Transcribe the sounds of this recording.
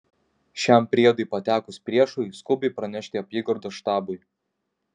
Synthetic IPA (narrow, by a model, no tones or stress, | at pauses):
ʃʲɛˑmpʲɾʲiɛd̪ɐɪpɐt̪ʲæːkʊspʲɾʲiɛʃʊskʊbʲɛɪpɾɐnʲɛʃʲt̪ʲɪɐpʲiːɡɔɾd̪oːʃt̪ɑːbʊɪ